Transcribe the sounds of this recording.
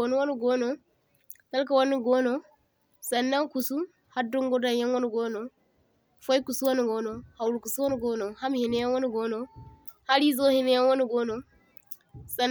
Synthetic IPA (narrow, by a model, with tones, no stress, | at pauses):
o˨nu˦wo˦nu˨ɡɔ˦nɔ˨ | ta˦lka˨wa˦nu˨ɡɔ˦nɔ˨ | sa˨nːa˦ŋku˨su˦ | ha˦dɔ˦ŋɡɔ˦da˨ja˦nwɔ˦nu˨ɡɔ˦nɔ˨ | fo˦jku˨su˦wa˦nu˨ɡɔ˦nɔ˨ha˨wlu˨ku˨su˦wɔ˦nu˨ɡɔ˦nɔ˨ha˦mi˨hi˨nɛ˦ja˦wo˦nu˨ɡɔ˦nɔ˨ | ha˦li˦zo˦hi˨˦nɛ˦ja˦wɔ˦nu˨ɡɔ˦nɔ˨ | sa˨